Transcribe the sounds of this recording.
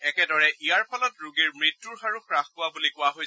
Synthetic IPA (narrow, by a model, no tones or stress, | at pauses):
ɛkɛdɔɹɛʔijaɹpʰalɔtɹuɡiɹmɹitːuɹxaɹuxkɹaxpʊwabulikʊwaɦoj